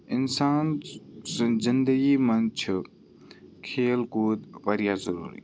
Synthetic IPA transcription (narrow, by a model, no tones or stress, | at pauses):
ɪnsaːn | zɪnd̪əɡimɐnt͡ʃʰ | kʰeːlkuːd̪ʋɐɾijaːzɐɾṵːɾḭː